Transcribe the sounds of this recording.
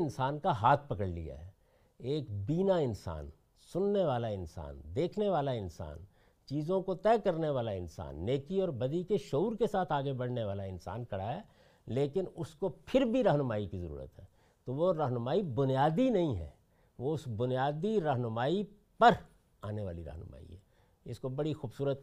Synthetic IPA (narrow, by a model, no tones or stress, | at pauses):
ɪnsaːnkaɦaːt̪̚ʰpɐkəɽlḭa̰ɦɛː | eːkbiːnaɪnsa̰ːn | sʊnːeʋaːlaɪnsa̰ːnd̪eːkʰneʋaːlaɪnsa̰ːn | t͡ʃiːzõkot̪ɛːkɐɾneʋaːlaɪnsa̰ːnːeːkiɔːɾbɐd̪ikeʃouːɾkesaːt̪ʰaːɡebɐɽ̤neʋaːlaɪnsa̰ːnkɐɽaɦɛː | leːkɪnʊskopʰɪɾbʱiɾɐɦnʊmaːikizɐ̰ɾṵːɾə̰t̪ɦɛ̰ː | t̪oʋoɾɐɦnʊmaːibʊnijaːd̪inɐɦĩɦɛ̰ː | ʋoʊsbʊnijaːd̪iɾɐɦnʊmaːi | pɐɾ | aːneʋaːliɾɐ̰ɦnʊma̰ːḭɦɛ̰ː | ɪskobɐɽixuːbsuːɾət̪